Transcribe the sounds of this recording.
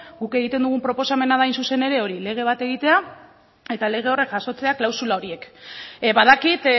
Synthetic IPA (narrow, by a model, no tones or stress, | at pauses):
ɡuke̞ɣ̞it̪e̞nd̪uɣ̞umpɾo̞po̞same̞naðajnsuse̞ne̞ɾe̞o̞ɾile̞ɣ̞e̞β̞at̪e̞ɣ̞it̪e̞a | e̞t̪ale̞ɣ̞e̞o̞re̞kʝaso̞t͡se̞aklawsulao̞ɾie̞kβaðakit̪